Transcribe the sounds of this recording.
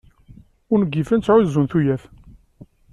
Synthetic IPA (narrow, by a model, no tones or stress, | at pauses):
ʊɾnəɡːifænt͡sːʕuzːunθujæθ